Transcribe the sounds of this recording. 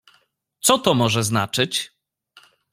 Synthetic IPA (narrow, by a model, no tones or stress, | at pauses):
t̪sɔt̪ɔmɔʐɛznat͡ʂɘt͡ɕ